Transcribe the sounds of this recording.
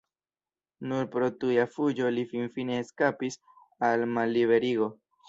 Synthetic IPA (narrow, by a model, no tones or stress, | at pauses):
nuɾpɾo̞tujafud͡ʒo̞lifinfine̞ːskapis | almalːiβe̞ɾiɡo̞